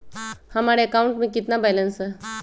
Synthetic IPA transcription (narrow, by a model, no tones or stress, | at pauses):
hãmaɽeekauɳʈmikit̪nabajlənsə